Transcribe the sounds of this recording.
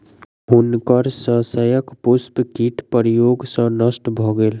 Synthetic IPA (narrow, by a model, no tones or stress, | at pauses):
ɦʊnkəɾsə̃səjəkpʊspkiʈʰpəɾijoːɡsə̃nəsʈbʱoɡeːl